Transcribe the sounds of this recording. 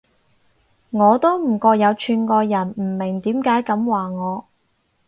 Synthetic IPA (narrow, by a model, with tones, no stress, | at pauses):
ŋɔː˨˧t̪o˥wm̩˨˩kɔː˧k̚jɐ˨˧wt͡ʃʰyː˧nkɔː˧jɐ˨˩nm̩˨˩mɪ˨˩ŋt̪iː˨˥mkaː˨˥jkɐ˨˥mwaː˨ŋɔː˨˧